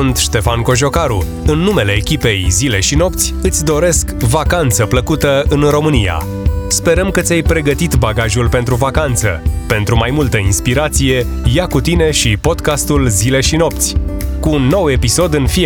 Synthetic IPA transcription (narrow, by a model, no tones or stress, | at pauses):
unt̪ʃt̪e̞fanko̞ʒo̞kaɾu | ɨnːume̞le̞ːkʲipe̞jzile̞ʃino̞pt̪sʲɨt̪sʲd̪o̞ɾe̞skvakant̪səpləkut̪əɨnro̞mɨnija̰ | spe̞ɾəmkət̪sʲajpɾe̞ɡət̪it̪baɡaʒulpe̞nt̪ɾuvakant̪sə̰pe̞nt̪ɾumajmult̪əinspiɾat̪sije̞ | jakut̪ine̞ʃipo̞d̪kast̪ulzile̞ʃino̞pt̪sʲkuːnːo̞we̞piso̞d̪ɨnfi